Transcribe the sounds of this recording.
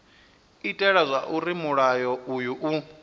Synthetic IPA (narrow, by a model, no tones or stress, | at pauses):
itʼɛɺazʷaʔuɾimuɺajɔujuʔu